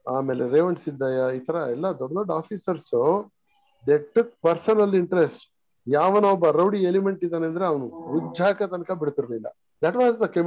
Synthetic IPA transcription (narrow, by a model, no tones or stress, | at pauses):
aːmeːleɾeːʋɐɳʈsid̪ːaːjɐiːt̪ʰɐɾɐɛlːɐd̪ɔɖːɐd̪ɔɖaːfʰiːsɐɾso | d̪eːʈuk̚pɐɾsɐnɐliɳʈɾesʈ | jaːʋɐnoɔbːɐɾɐwɽielimeɳʈid̪aːneɐnd̪ɐɾeɐʋɐnuʋuɡd͡ʒaːkɐt̪ɐnɐkɐbiɽt̪iɾbelːɐ̰ | d̪ɐʈʋaːzd̪ɐkem